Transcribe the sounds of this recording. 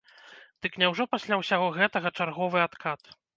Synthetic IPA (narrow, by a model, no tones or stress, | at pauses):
d̪̥ɨknʲɛwʐɔpasʲlʲawsʲaɣɔɣɛt̪ɐɣɐt͡ʂarɣɔvɨat̪kʰat̪